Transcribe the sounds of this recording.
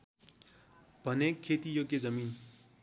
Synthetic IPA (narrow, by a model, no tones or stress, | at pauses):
bʱʌnekʰːet̪ijoɡjed͡zʌmin